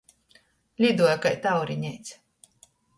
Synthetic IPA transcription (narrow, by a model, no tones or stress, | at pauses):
lʲid̪uɔjkajt̪awɾiɲʲɛjt̪sʲ